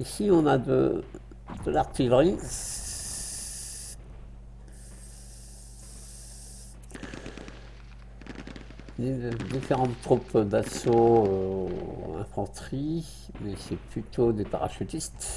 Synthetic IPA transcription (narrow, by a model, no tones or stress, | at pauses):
isiɔ̃nad̪ə̰ | d̪̥əlaʁt̪ilʁi | d̪ed̪ifeʁɑ̃t̪ːχupd̪asoø | ɛ̰̃fɑ̃t̪χi | mɛsɛplyt̪od̪epaʁa̰ʃyt̪ist̪